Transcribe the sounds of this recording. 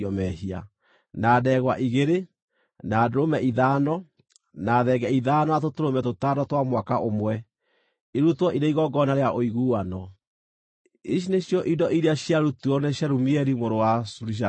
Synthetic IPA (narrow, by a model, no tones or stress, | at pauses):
ɔmɛɦia̰ | naːdɛɣwaʔiɣeɾe | naːdoɾomɛiðanɔ | naðɛɡɛiðaːnɔatotoɾomɛtotadɔtwamwakaʔomwɛ | iɾutwɔʔiɾeiɣɔɡɔnaɾeaʔoiɣuwanɔ | iʃ̬ineɕjɔʔidɔʔiɾeaɕjaɾutuɔnɛɕjaɾumiɛɾimoɾowasuɾiʃ̬a